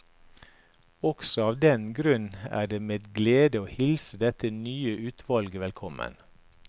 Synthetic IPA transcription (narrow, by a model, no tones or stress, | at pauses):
ɔksɔɑːʋd̪ɛnɡɾʉnæ̰ːɖeːmeːd̪ɡleːd̪əoːhɪlsəd̪ɛt̪ənyːəʔʉːt̪ʰʋɑlɡəʋɛlkʰɔmə̰n